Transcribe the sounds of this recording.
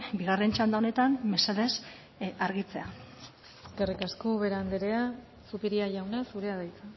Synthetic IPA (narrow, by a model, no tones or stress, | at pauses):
biɣare̞nt͡ʃand̪aone̞t̪anme̞seðe̞s | aɾɣit͡se̞a | eskerikaskoβe̞ɾand̪eɾe̞a | supiɾiaʝawnesuɾe̞aðajt͡sa